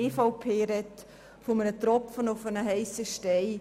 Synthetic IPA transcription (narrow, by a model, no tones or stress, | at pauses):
eːfɑʊpʰeːɾɛt | fɔmənət̪rɔpfənʊfənəɦɛɪsəʃtɛɪ